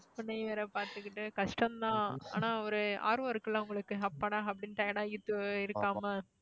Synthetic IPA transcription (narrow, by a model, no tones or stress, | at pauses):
pʊnːɐɪʋeːɾɛpaːɾt̪ɯkːɪʈːɯkɐʂʈɐmd̪ãːa̰ːnaːɐɾɯa̰ːɾɯɐɾɯkːɯlːãːʊŋɡɐɭɯkːɯɦɐpːɐɳaːɐpːɐɽɪnʈɐɪnaːɪt̪ːɯɪɾɯkːaːmɐ